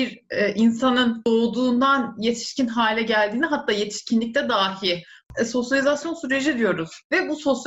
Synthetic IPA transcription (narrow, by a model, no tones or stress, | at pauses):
biɾɛʔinsanɯnd̪o̞ːd̪uːnd̪anje̞t̪ʰi̥ʃcinɦaːlʲɛɟælʲd̪iːniɦat̪ʰːaːje̞t̪ʰi̥ʃcʰinlʲic̚t̪ɛd̪aːiso̞sjalʲizasjo̞nsyɾe̞d͡ʒid̪ijo̞ɾuz̥vɛbuso̞s